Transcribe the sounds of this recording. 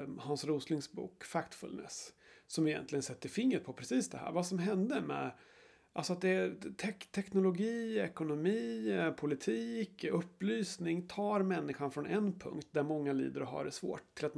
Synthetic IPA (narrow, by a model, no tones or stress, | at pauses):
hansɾuːslɪŋsbṵːkfakt̪fɵ̰lnə̰ssɔmɪjɛ̰nt̪lɪɡənsɛt̪ːəɾfɪŋːɾət̪̚pʰɔpʰɾɛsiːsd̪ɛɦæ̰ːɾvasɔmɦɛnd̪əmɛ̰ | ʔa̰lsɔat̪̚d̪ɛt̪ʰɛt̪ʰɛknʊlʊɡiːɛkʊnʊmiːpʰʊlɪt̪ʰiːkɵpːlyːsnɪŋt̪ʰɑːɾmɛnːɪɧanfɾɔnɛnpʰɵ̰ŋkt̪̚d̪æɾmɔŋːalḭːd̪əɾɔɦɑ̰ːɖɛsvo̰ːʈ̪ʰːɪlat̪